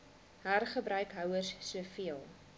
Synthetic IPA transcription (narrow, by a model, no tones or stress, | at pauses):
ɦæːrχəbɾœɥkɦœwərsːuəfiəlˠ